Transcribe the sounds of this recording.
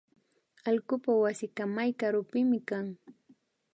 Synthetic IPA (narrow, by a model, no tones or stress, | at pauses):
alkʊpawasɪkamajkaɾʊpɪmɪkaŋ